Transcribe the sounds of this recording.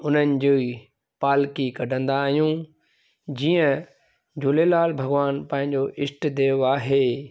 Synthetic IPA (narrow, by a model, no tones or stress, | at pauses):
ʊn̤ənɪ̆d͡ʑoːi | paːlkikɐɖʱə̃nd̪aːɦijũ | d͡ʑiːə̃ | d͡ʑʊlelaːlbʱɐɡʋaːnpɐ̃ɦɪ̃ɲd͡ʑoʔɪsʈd̪eːʋaːɦeː